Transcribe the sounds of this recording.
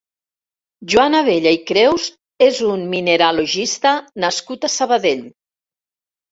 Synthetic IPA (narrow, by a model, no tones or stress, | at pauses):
ʒwanaβ̞eʎaikɾewz | ezunmineɾaloʒist̪anaskut̪asəβaðeʎ